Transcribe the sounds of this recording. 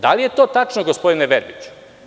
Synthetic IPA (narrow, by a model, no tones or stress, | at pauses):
d̪alije̞t̪o̞ːt̪at͡ʃnoɡospod̪ineʋeɾbit͡ɕu̥